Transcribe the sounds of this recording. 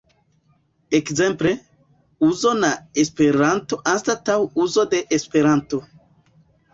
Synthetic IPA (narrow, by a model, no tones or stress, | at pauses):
ekze̞mple̞ | uzo̞naespe̞ɾanto̞ʔanstatawuzo̞de̞ʔːspe̞ɾanto̞